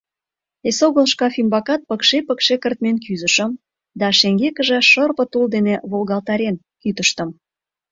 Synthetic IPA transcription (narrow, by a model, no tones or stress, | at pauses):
esoɣəlʃkɑfimbɑkɑt̪̚pə̆kʃepəkʃekərt̪menkyzəʃə̆m | d̪ɑʃeŋɡekəʒĕʃərpə̆t̪uld̪eneβolɣɑlt̪ɑɾen | kyt̪əʃt̪ə̆m